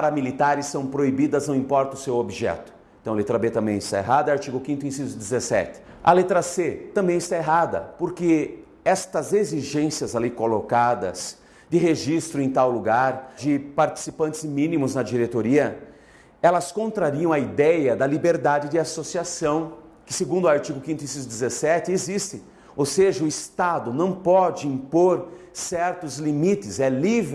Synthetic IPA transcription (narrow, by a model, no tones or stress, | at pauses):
aɾɐmilit̪aɾɪsːɐ̃w̃pɾoibid̪ɐznɐ̃w̃ĩmpɔɾt̪ɐʊsewobiʒɛ̰t̪ʊ̥ẽt̪ɐ̃w̃alet̪ɾɐbet̪ɐ̃mbẽj̃ɪst̪a̰ḛɦad̪ɐaɾt͡ʃiɡʊkĩnt̪ʊẽsizʊd̪ɪzesɛ̰t̪ɪ̥ | ɐ̰let̪ɾɐset̪ɐ̃mbẽj̃ɪst̪aeɦad̪ɐ̰poɾkɪ | ɛst̪ɐzeziʒẽsiɐzalikolokad̪ɐ̰z | d͡ʒ̪ɪɦeʒist̪ɾʊẽj̃t̪awluɡaɾd͡ʒɪpaɾt͡ʃi̥sipɐ̃nt̪ɪzmĩnimʊznɐd͡ʒiɾet̪oɾiɐ | ɛlɐskõnt̪ɾaɾiɐ̃w̃ɐid̪ɛjɐd̪ɐlibeɾd̪ad͡ʒɪd͡ʒɪasosiasɐ̃w̃kɪ̥seɡũnd̪ʊaɾt͡ʃiɡʊkĩnt̪ʊisizd̪ɪzesɛt̪ɪezist̪ɪ̃ | owseʒɐʊɪst̪ad̪ʊnɐ̃w̃pɔd͡ʒɪĩpoɾsɛɾt̪ʊzlimit̪ɪzɛlivɾ